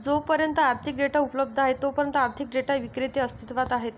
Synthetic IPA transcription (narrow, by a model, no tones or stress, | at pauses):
d͡zopəɾjənt̪əaɾ̚t̪ʰik̚ɖeʈaupləb̚d̪ʱəaɦet̪ːopəɾjənt̪əaɾt̪ʰik̚ɖeʈaʋikɾit̪iəst̪ʰit̪ʋat̪aɦet̪